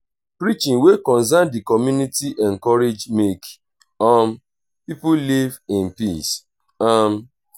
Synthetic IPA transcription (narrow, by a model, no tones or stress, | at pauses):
pɾit͡ʃĩŋwekɔ̃nzãndikɔmjunitiʔɛŋ̩kɔɾed͡ʒmek | ɔm̩ | pipulivɪ̃npis | am̩